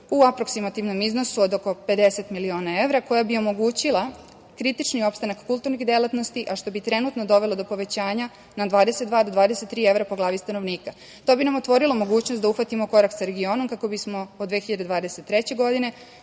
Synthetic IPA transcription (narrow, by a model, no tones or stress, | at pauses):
uapɾo̞ksimat̪iʋno̞mizno̞suod̪oko̞pe̞d̪e̞se̞t̪milio̞ːnae̞ʋɾako̞jabio̞mo̞ɡuːt͡ɕilˠa | kɾit̪it͡ʃnio̞pst̪anakkulˠt̪uɾniɣd̪e̞lat̪no̞st̪iʔaʃt̪o̞bit̪ɾenut̪no̞d̪o̞ʋe̞lˠo̞d̪o̞po̞ʋe̞t͡ɕaːɲa | nad̪ʋaːd̪eset̪d̪ʋaːd̪od̪ʋaːd̪eset̪ːɾiːeʋɾapoɡlaːʋist̪ano̞ʋniːka | t̪o̞binamo̞t̪ʋo̞ɾilomo̞ɡuːt͡ɕnost̪d̪auxʋat̪imo̞ko̞ɾakt̪saɾeɡio̞no̞mkako̞bismo̞od̪ʋexiʎad̪ed̪ʋaːd̪eset̪ːɾet͡ɕe̞ɡo̞d̪ine̞